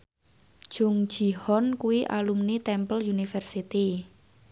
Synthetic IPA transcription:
ʒ̥ʊ̤ŋ̥ʒ̥i̤hɔnkuwiʔa̰lumnit̪ɛmpəljunifɛrsit̪i

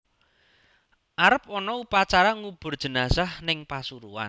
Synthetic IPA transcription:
ʔaɾəp̚ɔnɔupat͡ʃaɾaŋub̥ʊ̤rd̥ʒ̥ə̤nasahnɪŋpasuɾuwa̰n

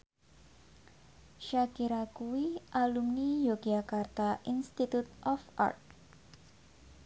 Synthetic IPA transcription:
ʃakiɾakuwiʔalumnijoɡiakart̪aʔinst̪it̪ut̪̚ʔɔfa̰rt̪̚

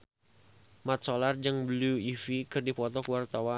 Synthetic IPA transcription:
mat̪̚sɔlard͡ʒɨŋbəluifikɨrdipɔt̪ɔkəwart̪awa

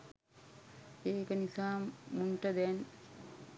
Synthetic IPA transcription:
eːkənisaːmunʈəd̪ɛn

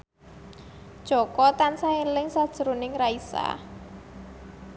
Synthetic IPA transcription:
d̥ʒ̥ɔ̤kɔt̪ansaelɪŋsad̥ʒ̥əɾunɪŋraisa̰

